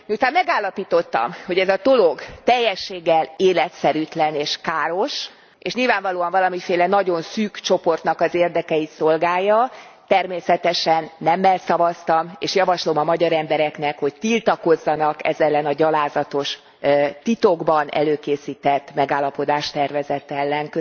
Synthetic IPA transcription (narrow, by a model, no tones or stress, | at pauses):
mut̪aːnmmɛɡaːlːɒpiːt̪o̞t̪ːɒ̰mho̞ɟɛzɒd̪o̞loɡt̪ɛjːɛʃːeːɡːɛleːlɛt̪sɛɾyt̪lɛneːʃkaːɾo̞ʃ | eʃɲilvaːɱvɒloːɒɱvɒlɒmifeːlɛnɒɟo̞nsyːkt͡ʃo̞po̞rt̪nɒkɒzeːrd̪ɛkɛit̪so̞lɡaːjːɒt̪ɛrmeːsɛt̪ɛʃɛnːɛmːɛlsɒvɒst̪ɒmeːʃjɒvɒʃlo̞mɒmɒɟɒɾɛmbɛɾɛkn̪ɛkho̞ct̪ilt̪ɒko̞zːɒnɒkɛ̰zɛlːɛnɒɟɒlaːzɒt̪o̞ʃ | t̪it̪o̞ɡbɒnɛ̰løːkeːsiːt̪ɛt̪ːmɛɡaːlːɒpo̞d̪aːʃt̪ɛrvɛzɛt̪ɛlːɛŋkø